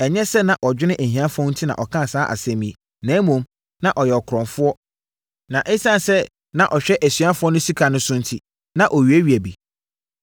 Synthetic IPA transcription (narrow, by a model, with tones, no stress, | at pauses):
ɛ˨ɲɛ̃˦sɛ˦nã˨ʔɔ˨d͡ʑᶣɪ˦nɪ̃˦ʔæ˨ɦĩ˨a˦fɔ̃˦n̩˦tʰi˦nã̰˨ʔɔ˨kʰã˦˨saː˦ʔa̰˨sɛ̃˦mĩ˨˦˨ | nɛ̃ː˨˦mũ˨m | nã˨ʔɔ˨jɛ˨ɔ˨kʰɾɔ̃˨ɱfʊ˦ɔ˦ | nã˨ʔe˦sã˦n˨sɛ˦ | nã˨ʔɔ˨ɕᶣɛ˦ʔæ˨sɥa˦fʊ˦ɔ˦nʊ̃˦si˦kʰa˨nʊ̃˦sʊ̃˦n̩˦tʰi˦ | nã˨ʔɔ˨ɥi˨æ˦ɥi˨æ˨bi˨